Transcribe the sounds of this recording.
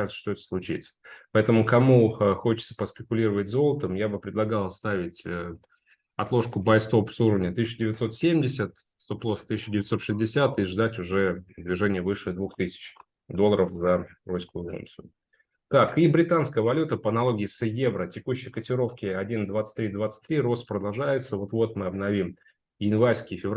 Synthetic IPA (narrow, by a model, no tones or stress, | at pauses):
ʐɨt̪sə̥ʂt̪oɛt̪ə̥slˠʊt͡ɕḭt̪sə̥pɐɛt̪əmʊkɐmuxo̞t͡ɕɪt̪sə̥pəspʲɪkʊlʲiɾəvət̚ʲzo̞lˠət̪əmjabɨpɾʲɪd̪lˠɐɡalˠst̪avʲɪtʲə | ɐt̪lˠo̞ʂkʊbajst̪o̞psuɾəvnʲət̪ɨsʲt͡ɕːɪdʲɪvʲɪt̪so̞t̪sʲemʲdʲɪsʲət̪ | st̪o̞plˠost̪ɨsʲɪɕːɪdʲɪvʲɪt̪so̞t̪ʂɨzʲdʲɪsʲat̪iʐd̪atʲʊʐɛd̪vʲɪʐɛnʲɪjəvɨʂɨd̪vuxt̪ɨsʲɪ̥t͡ɕ | d̪o̞lˠəɾəfzɐrojʲskʊjʊfṵnt̪sɨʊ | k̪akibɾʲɪt̪anskəjəvɐlʲut̪əpəɐnɐlˠo̞ɡʲɪːsjevɾətʲɪkuɕːɪjkətʲɪɾo̞fkʲɪɐdʲind̪vat̪sɨ̥t̚ʲt̪ɾʲid̪vat̪sɨ̥tʲt̪ːɾʲiɾo̞st̪pɾəd̪ɐlˠʐajɪt̪səvo̞t̪vo̞t̪mɨɐbnɐvʲim | jɪnvaɾʲskʲɪfʲɪv